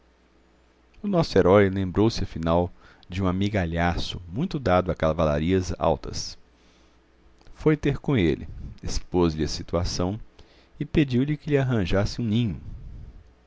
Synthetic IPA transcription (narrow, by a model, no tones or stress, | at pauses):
ʊnɔsʊeɾɔjlẽmbɾowsɪɐfinaw | d͡ʒɪũamiɡaʎasʊmũj̃t̪ʊd̪ad̪ʊakavala̰ɾiɐza̰wt̪ɐ̰s | fojt̪eɾkõelɪ̰espozʎɪɐsit̪uasɐ̃w̃ | ɪped͡ʒiwʎɪkɪlɪaɦɐ̃ʒasɪũnĩɲʊ